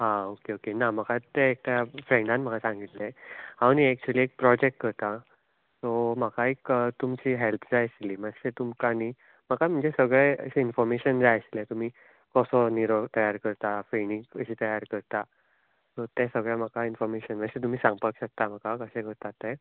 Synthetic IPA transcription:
ɦãokeokenaməkat̪eːk̚t̪ajafɾẽɳɖãnməkasãŋɡit̪lẽaɽ̃iæk̚t͡ɕuəliːek̚pɾɔd͡ʑek̚ʈ̚kəɾt̪a | sɔm̤əkaekt̪umt͡ɕiːɦelpʰd͡zajɕliːməɕet̪umkani | m̤əkam̤əɳd͡zesəɡɭeə̰sinfɔɾmeɕənd͡zajəɕlet̪um̤iː | kɔsɔniɾɔɡt̪əjaɾkəɾt̪afɾeniŋəɕiːt̪əjaɾkəɾt̪a | sɔt̪ɛ̃səɡɭjam̤əkainfɔɾmeɕənməɕet̪̬um̤iːsãŋɡpəkɕək̚t̪am̤əkakəɕẽkəɾt̪at̪ːɛ

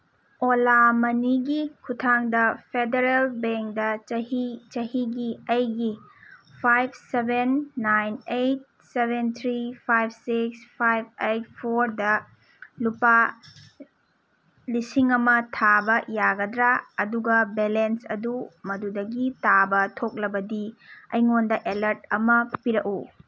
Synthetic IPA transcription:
olamɐniɡikʰutʰaŋdɐpʰedeɾelbeŋkdɐɐhit͡ʃɐhiɡiɐjɡipʰajb̚sebenːajnejt̚ | sebʱent̪ʰɾipʰajb̚ʰsikspʰajb̚ejt̚pʰoɾdɐ | lupa | lisiŋɐmɐtʰabɐjaɡɐdɾaɐduɡɐbelensɐ̰dumɐdudɐɡitabɐtʰok̚lɐbɐdiɐ̰jŋondɐʔelɐɾt̚ɐmɐpiɾɐku

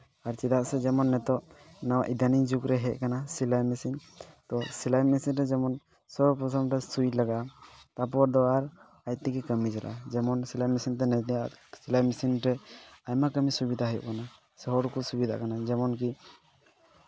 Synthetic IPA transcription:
aɾt͡ʃid̪aʔsɛd͡ʒɛmɔnːɛt̪ɔʔnawaʔid̪anid͡ʒukɾɛɦɛʔ̚ˀkanasilajmisint̪ɔsilajmisinɾɛd͡ʒɛmɔn | sɔɾpɾɔsɔmɾɛsulaɡaʔat̪apɔɾd̪ɔaɾ | ac̚t̪ikɛkəmid͡ʒɔɾa̰ʔad͡ʒɛmɔnsilajmisint̪̬ɛnajt̪ɛjasilajmisinɾɛajmakəmisubid̪ʱaɦəjṵʔkana | sɔɦɔɾkusubid̪ʱa̰ʔkanad͡ʒɛmɔnki

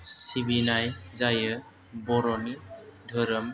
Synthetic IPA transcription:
sibinajzajə | bɔɾɔnidʱəɾəm

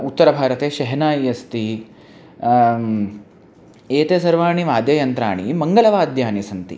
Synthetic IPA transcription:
ut̪ːɐɾɐbʱaːɾɐt̪eːʃɐɦɐnaːjjɐst̪i | eːt̪eːsɐɾʋaːɳiʋaːd̪jɐjɐnt̪ɾaːɳimɐŋɡɐlɐʋaːd̪ʱjaːnisɐnt̪ḭ

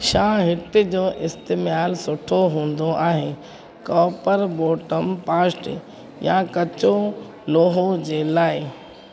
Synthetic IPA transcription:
ʃãːɦɪt̪ɪ̆d͡ʑoːʔɪst̪eːmaːlsʊʈʰoɦũːn̆d̪oʔaːɦe | kɔːpəɾboːʈəmpaːsʈ | jãkɐt͡ɕo | loːɦod͡ʑeːlaːɪ

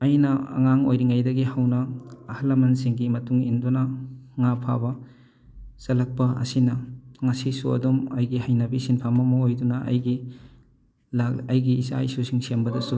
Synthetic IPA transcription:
ɐjnɐɐ̰ŋaŋo̰jɾiŋɐjdɐɡihawnɐːhɐlɐmɐnsiŋɡimɐtuŋindunɐŋapʰa̰bɐ | sɐlɐk̚pɐɐ̰sinɐŋɐsisuɐ̰dumɐjɡihɐjnɐbisinpʰamɐmɐojdunɐʔɐ̰jɡi | laɐjɡiːsa̰isusiŋsembɐdɐsu

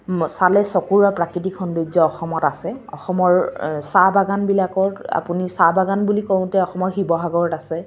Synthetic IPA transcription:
salɛsɔkuɹapɹakitikʰɔnduzɔɔxɔmɔtasɛɔ̰xɔmɔɹsabaɡanbilakɔa̰punisabaɡanbulikɔw̃tɛɔxɔmɔɹxibɔɦaɡɔɹɔtasɛ

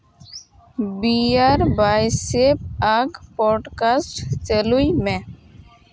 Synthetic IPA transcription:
biaːɾbajsepaɡpɔːɖkaːsʈt͡ʃəluimẽ

